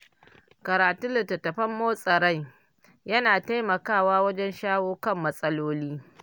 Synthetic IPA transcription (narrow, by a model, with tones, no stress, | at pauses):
kɐ˨ɾaː˨tʊ˦nlɪ˨tːɐ˨tːɐ˨ɸɐ˦mːoː˦sʼɐ˨ɾa˦j | jɐ˦naː˨ta˦jmɐ˨kaː˦˨waː˦wɐ˦d͡ʒɛ˦nʃaː˦woː˦kɐ˦˨mːɐ˦sʼɐ˦loː˦liː˦